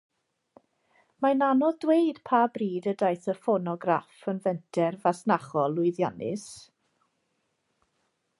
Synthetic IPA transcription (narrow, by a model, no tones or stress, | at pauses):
mananɔðdwejd̥pʰaːbriːdədajθəfɔnɔɡrafənvɛntʰɛrvasnaχɔlˠːʊɨðjanɪ̰s